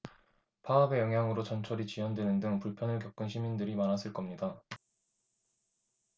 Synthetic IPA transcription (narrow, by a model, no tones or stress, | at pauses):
pʰaːbe̞jʌŋɦjaŋɯɾot͡ɕʌnt͡ɕʰʌɾit͡ɕiwʌndwe̞nɯndɯŋpuɭpʰjʌnɯɭkjʌk͈̚ɯnɕʰimindɯɾimanas͈ʰɯɭk͈ʌmɲida